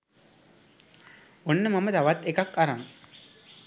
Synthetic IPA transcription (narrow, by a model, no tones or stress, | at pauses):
onːəmɐmɐt̪ɐʋɐt̪ekɐkɐɾɐm